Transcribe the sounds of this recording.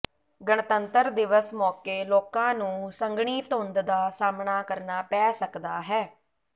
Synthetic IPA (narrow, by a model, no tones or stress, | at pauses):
ɡəɳt̪ənt̪əɾd̪ɪʋəsmɔːkeːloːkãːnũːsəŋɡɳiːt̪ɦʊ̃nd̪d̪aːsaːmɳaːkəɾnaːpɛːsəkd̪aːɦɛː